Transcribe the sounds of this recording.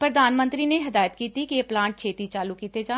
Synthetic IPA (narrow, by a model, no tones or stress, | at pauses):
pɾəd̪aːnmə̃nt̪ɾiːneɦɐd̪aːjət̪kiːt̪ikieːplãːɳʈ̚t͡ʃʰeːt̪it͡ʃaːlukiːt̪ed͡ʒaː